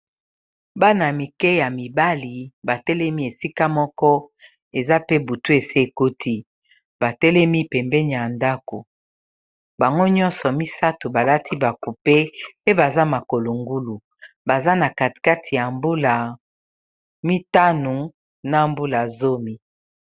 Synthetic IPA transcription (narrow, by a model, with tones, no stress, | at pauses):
ba˦na˨mi˨kɛ˦ja˨mi˨ba˦li˨ba˨tɛ˦lɛ˦mi˦e˨si˦ka˦mɔ˦kɔ˦ | e˨za˦pe˦bu˨tu˦e˨se˦e˨ko˦tʰi˦ | ba˨tɛ˦lɛ˦mi˦pɛ˨mbɛ˦ni˨a˨nda˦ko˨ | ba˨ŋɡo˦ɲɔ˦nsɔ˨mi˦sa˦to˨ba˨la˦tʰi˦ba˨ku˨pe˦pe˦ba˨za˦ma˨ko˨lo˨ŋɡu˦lu˨ | ba˨za˦na˨ka˨ti̥˨ka˦tʰi˨ja˨mbu˦la˨ | mi˦ta˦nu˨ | na˦˨mbu˦la˨zo˦mi˦